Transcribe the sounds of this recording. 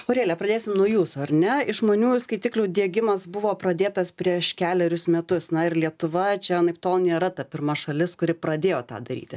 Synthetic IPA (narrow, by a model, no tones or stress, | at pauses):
oːɾʲeːlʲɛpɾɐd̪ʲeːsʲɪmnuɔjuːsʊɐɾʲnʲɛɪʒmoːnʲuːskɐɪt̪ʲɪklʲʊːd̪ʲiɛɡʲɪmɐsbʊʋoːpɾɐd̪ʲeːt̪ɐspʲɾʲiɛʃkʲæːlʲɛɾʲʊsmʲɛt̪ʊsnɐɪrlʲiɛt̪ʊʋɐt͡ʃʲɛnɐɪpt̪oːlˠnʲeːɾɐt̪ɐpʲɪrmɐʃɐlʲɪskʊɾʲɪpɾɐd̪ʲeːjoːt̪ɑ̰ːd̪ɐɾʲḭːt̪ʲɪ